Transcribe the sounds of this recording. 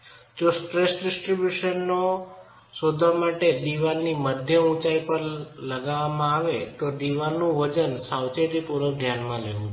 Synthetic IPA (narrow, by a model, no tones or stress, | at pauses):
d͡ʒosʈɾesɖɪsʈɾibjuʃənːo | sod̪ʱamaʈed̪iʋalniməd̪ʱjəũt͡ʃaipəɾləɡaʋamãaʋet̪od̪iʋalnũʋəd͡ʒənsawt͡ʃeʈipuɾəkd̪ʱjanmãleʋũ